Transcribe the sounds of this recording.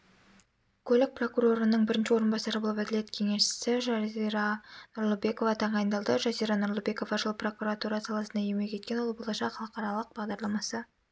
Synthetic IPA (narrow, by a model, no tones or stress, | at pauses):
kʲʰɵlɪk̚pro̞kuɾo̞ɾənəɴbɪɾɪnʃɪwo̞ɾənbɑsɑɾəbo̞lˠəpæd̪ɪle̞t̪kʲʰe̞ŋe̞ʃɪ̥sɪʒɑiɾɑnʊɾlˠəbe̞ko̞vɑt̪ʰɑɴɑjnd̪ɑlˠd̪əʒɑzijɾɑnʊɾlˠəbe̞ko̞vɑʒəlˠpro̞kuɾat̪uɾɑsɑlˠɑsənd̪ɑjijme̞kʲʰe̞t̪̚kʲe̞nwo̞lˠbolˠɑʃɑχʰɑlˠəqɑɾɑlˠəq̚bɑʁd̪ɑɾlˠɑmɑsə